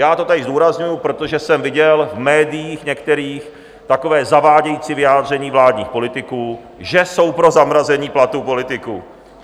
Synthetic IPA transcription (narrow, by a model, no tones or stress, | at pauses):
jaːt̪o̞t̪adɪzd̪uːɾazɲujupɾo̞t̪o̞ʒɛsɛmvɪɟɛlvmɛːdɪjiːxɲɛkt̪ɛɾiːx | t̪ako̞vɛːzavaːɟɛjiːt͡siːvɪjaːd̪r̝ɛɲiːvlaːd̪ɲḭːxpo̞lɪt̪ɪkuː | ʒɛso̞wpɾo̞zamɾazɛɲiːplat̪upo̞lɪt̪ɪkuː